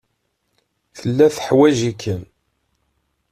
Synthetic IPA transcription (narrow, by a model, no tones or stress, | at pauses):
θəlːæθə̥ħwæʒikːən